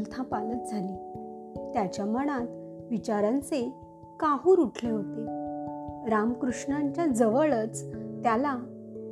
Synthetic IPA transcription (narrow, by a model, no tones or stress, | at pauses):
lt̪ʰãpalət̪̚d͡zʱali | t̪jat͡ɕjaməɽ̃at̪ʋit͡ɕaɾãnt͡se | kaɦuːɾuʈʰlẽɦot̪e | ɾamkɾuʂɳaɲt͡ɕjad͡zəʋəɭət͡st̪jala